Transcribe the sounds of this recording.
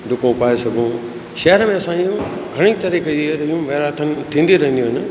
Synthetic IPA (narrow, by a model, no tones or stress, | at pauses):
d̪ʊkõpaːesɐbʱũ | ʃɐɦəɾəmẽɐsãijũɡʱɐɽ̃it̪ɐɾiːked͡ʑiɾɐjũʋɐɾaːt̪ʰənɪ̆t̪ʰĩːnd̪iɾɐɦənd̪jũɦɪnɪ̆